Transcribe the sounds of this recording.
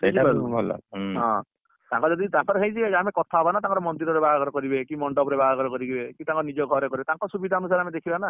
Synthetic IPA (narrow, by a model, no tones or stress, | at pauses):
sed͡ʒbabʱɔla̰ɦɔ̰̃ | t̪ãŋkɔd͡ʒɔd̪it̪ãŋkɔɾeɦejd͡ʒiamekɔt̪ʰaɦobanat̪ãŋkɔɾɔmɔnd̪iɾɔɾebaɡaɡɔɾɔkɔɾibekimɔɳɖɔbɾebaɡaɡɔɾɔkɔɾiɡibekit̪ãŋkɔnid͡ʒɔɡʱɔɾekɔɾibet̪aŋkɔsubid̪ʱaɦɔnus̬aɾamed̪ekʰibana